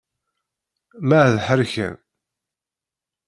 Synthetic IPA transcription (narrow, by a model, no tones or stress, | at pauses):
mæʕðħəɾçæ̰n